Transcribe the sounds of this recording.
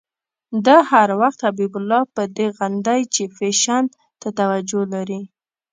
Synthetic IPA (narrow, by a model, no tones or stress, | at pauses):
d̪ahaɾwaxt̪habibʊlːɑpəd̪eɣand̪ajt͡ʃefeʃand̪ | t̪at̪awad͡ʒolaɾi